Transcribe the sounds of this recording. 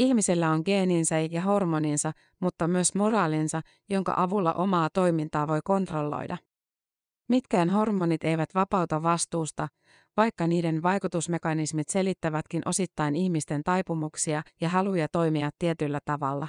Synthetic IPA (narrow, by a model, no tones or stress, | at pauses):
içmisilːæoŋɡe̞ːninsækæɦo̞rmoninsɑ | mut̪ːɑmyøsmo̞rɑːlinsɑ | jo̞ŋkɑ̰ʔɑʋulːɑ̰ʔo̞mɑːt̪o̞jmint̪ɑːʋo̞jko̞nt̪ro̞lːo̰jdɑ | mit̪kæːnɦo̞rmonit̪e̞jʋæt̪ʋɑpɑwt̪ɑʋːɑst̪uːst̪ɑ | ʋɑjkːɑniːde̞nʋɑjkut̪usme̞kɑnismit̪se̞lit̪ːæʋæt̪k̟inʔo̞sit̪ːɑjniçmist̪e̞nt̪ɑjpumuksiɑjɑɦɑlujɑt̪o̞jmiɑt̪ːiet̪ylːæt̪ɑʋɑlːɑ